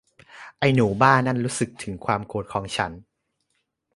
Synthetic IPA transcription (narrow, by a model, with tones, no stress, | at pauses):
ʔa˧jnuː˩˦baː˥˩nːa˥˩nɾuː˦˥sɯ˨˩k̚t̪ʰɯ˩˦ŋkʰwaː˧mkoː˨˩t̪̚kʰɔː˩˦ŋt͡ɕʰa˦˥n